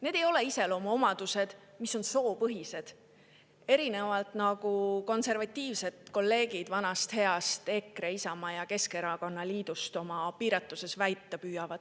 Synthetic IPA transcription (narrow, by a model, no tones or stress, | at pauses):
ne̞ːd̪̥e̞jo̞le̞ise̞lo̞mɑo̞mɑd̪̥use̞d̪̥miso̞nso̞ːpɤɦise̞d̪̥ | e̞ɾine̞vɑlt̪ˑnɑɡ̥uko̞nse̞rvɑt̪ʲˑːiːvse̞d̪̥ko̞lːe̞ːɡid̪̥vɑnɑst̪he̞ɑst̪e̞kɾeisɑmɑjɑke̞ske̞ɾɑko̞nːɑliːd̪̥ust̪o̞mɑpiːɾɑt̪ˑːuse̞svæjt̪ːˑɑpyːjɑvɑd̪̥